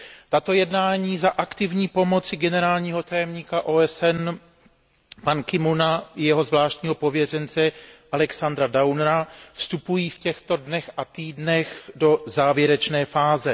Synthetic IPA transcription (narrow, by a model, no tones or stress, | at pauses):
t̪at̪o̞jɛdnaːɲiːzaʔakt̪ɪvɲiːpo̞mo̞t͡sɪɡɛnɛɾaːlɲiːɦo̞t̪ajɛmɲiːkaʔoːɛsɛn | pankɪmunajɛɦo̞zvlaːʃt̪ɲiːɦo̞po̞vjɛr̝ɛnt͡sɛʔalɛksand̪ɾadawnɾafst̪upujiːfcɛxt̪o̞dnɛxʔat̪iːdnɛxdo̞zaːvjɛɾɛt͡ʃnɛːfaːzɛ